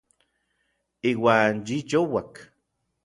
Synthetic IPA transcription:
iːwaːnjit͡ʃowak

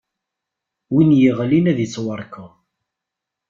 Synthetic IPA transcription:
winjəʁlinæðjət͡sːwəɾˤkə

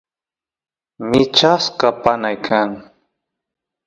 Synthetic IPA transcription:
mɪt͡ʃaskapanajkʰaŋ

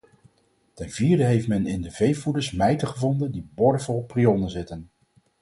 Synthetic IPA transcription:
tɛnv̥iːɹdəɦejftmɛnɪndəvejfudəɹsmɛjtəχəvɔndəndibɔɹəfɔlˠpriɔnənzɪtən

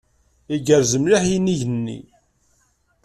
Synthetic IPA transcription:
iɡəɾzəmliħiniʝənːḭ

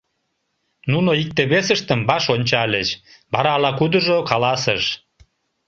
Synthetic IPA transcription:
nunoik̚t̪eβesəʃt̪əmbɑʃonʲt͡ɕɑlʲet͡ɕbɑɾɑlɑkud̪əʒokɑlɑsəʃ

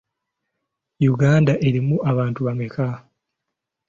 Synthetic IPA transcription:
juɡaːndaʔe̞ɾimuʔaβaːntuβameka

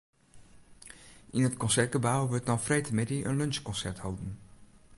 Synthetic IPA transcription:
ʔɪnɦətkɔnsɛrtɡəbawʋəɹtnɔwfrejtəmɪdiʔənlønskɔnsɛɹthowdən

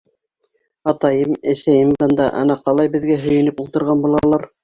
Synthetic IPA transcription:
ɑt̪ɑjɤmæʃæjɘmbɤ̆nd̪ɑʔɑ̰nɑqɑlˠɑjbɘ̆ðɡæɦɵ̆jɘ̆nɘpulˠt̪ɤ̆ɾʁɑnbulˠɑlˠɑɾ

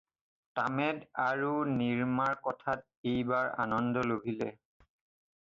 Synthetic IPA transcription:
tamɛdaɹuniɹmaɹkɔtʰat̚ejbaɹa̰nɔndɔlobʱilɛ

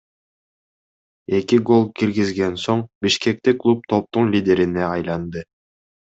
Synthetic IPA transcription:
e̞kiɡo̞lˠkiɾɡizɡensoɴbiʃke̞k̚t̪iklˠup̚t̪ʰo̞p̚t̪uɴlʲidʲe̞ɾineɑjlˠɑnd̪ɯ

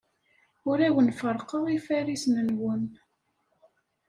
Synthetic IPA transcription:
ʊɾæwənfəɾˤqəʁifæɾisnənwən

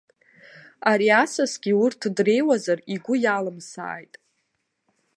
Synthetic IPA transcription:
aɾiasasɡʲiʊrtʰdre̞jwazariɡʷʊjalɨmsa̰ːjtʼ

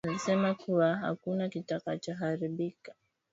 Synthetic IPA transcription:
alisɛmakuwaɦa̰kunakitakat͡ʃaɦaɾiɓikḁ

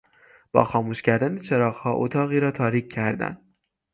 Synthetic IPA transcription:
b̥ɒ̰ːxɒːmuːʃcæɾd̪ænet͡ʃʰeɾɒːɣhɒːʔo̰t̪ʰɒːɣiːɾɒːt̪ʰɒːɾiːcʰːæɾd̪æ̰n

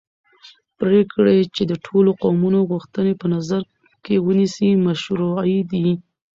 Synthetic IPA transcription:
pɾekɽet͡ʃed̪əʈʰoloqomunoɣuxt̪ənepənazaɾ | kewənisimaʃɾojd̪i

